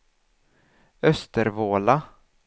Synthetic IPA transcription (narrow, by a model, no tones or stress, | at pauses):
œst̪əɾvoːla